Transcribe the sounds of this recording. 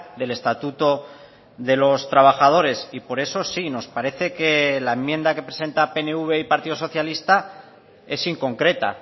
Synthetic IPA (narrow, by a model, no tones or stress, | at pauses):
ðe̞le̞st̪at̪ut̪o̞ | ðe̞lo̞st̪ɾaβ̞axað̞o̞ɾe̞sipo̞ɾe̞so̞sino̞spaɾe̞θe̞ke̞laemːjẽ̞nd̪ake̞pɾese̞nt̪ape̞neuβ̞e̞ipaɾt̪iðo̞so̞θjalist̪a | e̞siŋko̞ŋkɾe̞t̪a̰